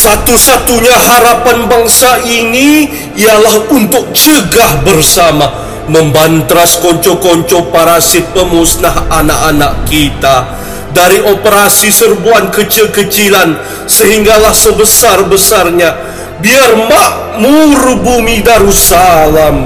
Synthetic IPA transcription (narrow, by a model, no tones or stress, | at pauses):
sat̪usat̪uɲaɦaɾapanbaŋsaʔini | ialahunt̪ʊk̚t͡ʃəɡahbərsama | məmbant̪ɾaskɔɲt͡ʃɔkɔɲt͡ʃɔpaɾasɪt̪̚pəmusnaɦanakanaʔkit̪a | daɾiʔopəɾasisərbuankət͡ʃilkət͡ʃilan | səɦiŋɡalahsəbəsarbəsarɲa | biarmaʔ | muɾubumidaɾusalam